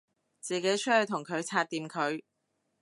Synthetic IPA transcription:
t͡siː˨ke˨˥jt͡ʃʰɵ˥hɵ˨˧ɥt̪ʰʊ˨˩ŋkʰɵ˨˧ɥt͡sʰaː˧t̚t̪iː˨˧mkʰɵ˨˧ɥ

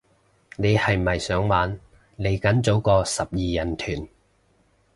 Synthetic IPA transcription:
ne˨˧jhɐ˨jmɐ˨jsœː˨˥ŋwaː˨˥n | le˨˩jkɐ˨˥nt͡so˨˥wkɔː˧sɐ˨p̚jiː˨jɐ˨˩nt̪ʰyː˨˩n

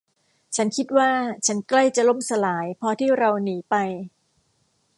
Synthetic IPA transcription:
t͡ɕʰa˦˥nkʰi˦˥t̪̚waː˥˩t͡ɕʰa˦˥nkla˥˩jt͡ɕa˨lo˥˩msa˧laː˩˦jpʰɔː˧t̪ʰiː˥˩ɾa˧wniː˩˦pa˧j

